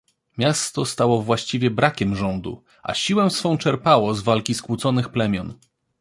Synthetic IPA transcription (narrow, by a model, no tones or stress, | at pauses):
mʲjast̪ɔst̪awɔvwaɕt͡ɕivʲjɛbɾakʲɛmʐɔnd̪ṵ | a̰ɕiwɛ̃sfɔ̃w̃t͡ʂɛɾpawɔzvalkʲiskwut̪sɔnɘxplɛmʲjɔn